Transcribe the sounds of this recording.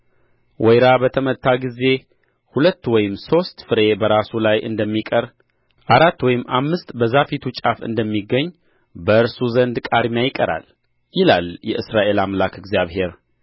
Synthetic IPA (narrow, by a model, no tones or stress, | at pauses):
wʔɔjɾabət̪ʰəmət̪ʰːaɡize̞ | hulət̪ːwɔjɪmso̞st̪fɨɾe̞bəɾasulajɨ̰nd̪əmːikʼəɾ | ʔaɾat̪ːwɔjɪmːamːɨst̪bəzafit̪ʰut͡ʃʼafɨ̰nd̪əmːiɡːəɲː | bəʔɨɾsuzənd̪kʼad̪mjajɪkʼəɾa̰l | jɪlaljɛʔɨsɾaʔe̞lamlakʰɨɡzijaβhe̞ɾ